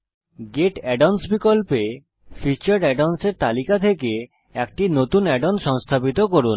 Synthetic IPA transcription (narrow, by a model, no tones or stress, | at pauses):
ɡeʈɛɖansbikolpe | fit͡ɕaɾɖɛɖanseɾt̪alikat̪ʰeke | ɛk̚ʈinot̪unɛɖonʃɔŋst̪ʰabit̪okoɾun